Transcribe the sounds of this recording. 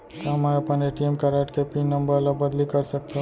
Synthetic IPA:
t̪amɛ̃ɐpəneʈiemkɐɾaʈkepinnːəmbəɾlabəd̪likɐɾsək̚t̪aɦ

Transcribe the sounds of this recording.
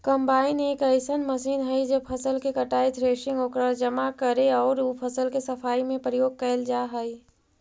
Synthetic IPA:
kəmbaːɪneːkəɪsənməsiːnɦəjd͡ʒəpʰəsəlkekəʈaːit̪ʰɾeːʃɪ̃ŋɡoːkɾad͡ʒəmakəɾeɔːɾupʰəsəlkesəpʰaːimẽpɾəjoːɡ̚kəɪld͡ʒaɦəi

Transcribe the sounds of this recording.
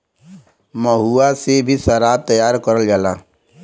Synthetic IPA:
məɦuasebʱisəɾaːb̚t̪əjaːɾkəɾəld͡ʒaːlaː

